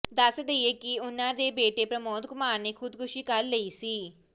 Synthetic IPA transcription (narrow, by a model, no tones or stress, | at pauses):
d̪aːsəd̪eieːkɪʊnãːd̪eːbeːʈeːpɾəmoːd̪ɡʊmaːɾneːkʰʊd̪kʰʊʃiːkəɾləiːsiː